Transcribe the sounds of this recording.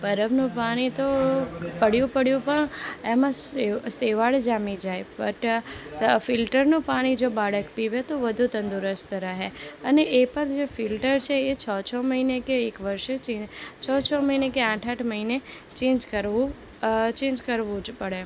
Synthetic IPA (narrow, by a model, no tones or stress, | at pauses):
pəɾəbnũpaɽ̃it̪opəɽjũpəɽjũpəɳemãseʋaɭd͡ʒamid͡ʒaepə̰ʈ | fɪlʈəɾnũpaɽ̃id͡ʒobaɽəkpiʋet̪oʋəd̪ʱut̪ənd̪uɾəst̪əɾəɦeəneʔepəɾd͡ʒefɪlʈəɾt͡ʃʰeːt͡ʃʰɔt͡ʃʰɔməɦinekeːkʋəɾʃt͡ʃet͡ʃʰɔt͡ʃʰɔməɦinekeãʈʰaʈʰməɦine | t͡ʃẽːd͡ʒkəɾu | t͡ʃẽːɲd͡ʒkəɾʋũd͡ʒpəɽe